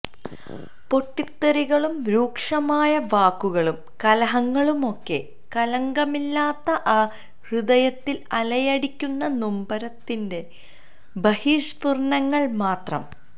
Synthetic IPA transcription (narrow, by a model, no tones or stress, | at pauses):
po̞ʈːit̪ːɐɾiɣɐɭumɾuːkʂɐmaːjɐʋaːkːuɣɐɭum | kɐlɐɦɐŋːɐɭumo̞kːe̞̰ | kɐlɐŋɡɐmilːaːt̪ːɐʔaː | hrɨðɐjɐt̪ːilɐlɐjɐɽikʲːunːɐnumbɐɾɐt̪ːinde̞ | bɐhiːʂpurɳɐŋːɐɭmaːt̪rɐ̰m